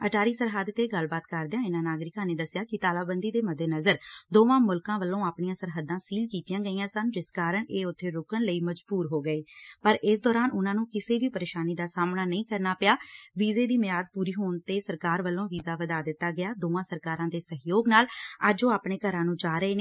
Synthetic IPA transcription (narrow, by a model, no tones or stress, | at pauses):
əʈʰaːɾiːsəɾɦaːd̪t̪eːɡəlbaːt̪kəɾd̪ejãːɪnãːnaːɡɾɪkãːneːd̪əsjaːkɪt̪aːlaːbənd̪iːd̪eːməd̪ʱːeːnəzəɾd̪oːãːmʊlkãːʋəlːõːaːpɳijãːsəɾɦəd̪ãːsiːlkiːt̪ijãːɡəiːãːsənd͡ʒɪskaːɾəɳeːʊt̪ʰːeːɾʊkənləiːməd͡ʒbuːɾɦoːɡəeːpəɾɪsd̪ɔːɾaːnʊnãːnũːkɪseːʋiːpəɾeːʃaːniːd̪aːsaːmnaːnəĩːkəɾnaːpɪjaːʋiːzeːd̪iːmɪjaːd̪̚puːɾiːɦoːɳt̪eːsəɾkaːɾʋəlːõːʋiːzaːʋəd̪aːd̪ɪt̪ːaːɡɪjaːd̪oːãːsəɾkaːɾãːd̪eːsəɦjoːɡnaːləd͡ʒõːaːpɳeːkəɾãːnũːd͡ʒaːɾəeːneː